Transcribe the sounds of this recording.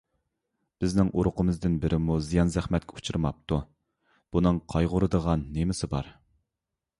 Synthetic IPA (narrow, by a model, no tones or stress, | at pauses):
b̥ɪznɪŋʔuɾʊqʰəmɨzd̪ɪnbɪɾɪmuzijɑnzæχmɛt̪̚kʲɛut͡ʃʰuɾmɑp̚t̪ʰu | b̥unɨŋqʰɑjʁʊɾɨd̪əʁɑnːemɪsɪbɑ̰ɾ